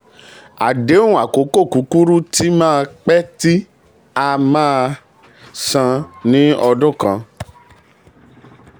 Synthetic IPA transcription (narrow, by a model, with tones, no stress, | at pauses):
a̰˨de˨˦ũ˨a˨ko˨˦ko˦˨ku˨˦ku˦ɾu˦ti˦mãː˦˧k͡pɛ˦ti˦ | a˧mãː˦˧ | sã˧nĩ˦ɔ˧dũ˦˨kã˧